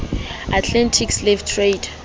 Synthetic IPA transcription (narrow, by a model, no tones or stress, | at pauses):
atʰlɛntʰikslevtʰred